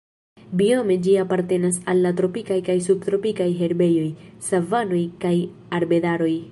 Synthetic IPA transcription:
biome̞d͡ʒiapaɾte̞nasalːatɾo̞pikajkajsub̚t̪ɾo̞pikajɦe̞ɾbe̞jo̞jsavano̞jkaj | aɾbe̞daɾo̞j

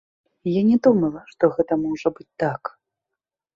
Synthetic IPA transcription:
janʲɛd̪umɐlˠɐʂt̪ɔɣɛt̪ɐmɔʐɐbɨt͡sʲt̪ak

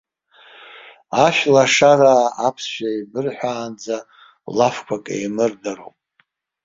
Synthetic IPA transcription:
aʃᶣlaʂaɾaːapʰsʃᶣaibɨrħʷᶣaːnd͡za | lafkʷʰakʼḛjmɨrdaro̰wpʼ

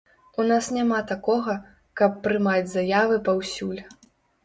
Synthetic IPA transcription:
unasnʲamat̪akɔɣɐ | kɐpːɾɨmad͡zʲzajavɨpawsʲulʲ

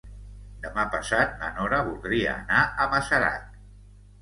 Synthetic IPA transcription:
d̪əmapəsat̪̚mə̰nɔɾəβulˠd̪ɾiə̰ːnaʔəməsəɾa̰t̪̚

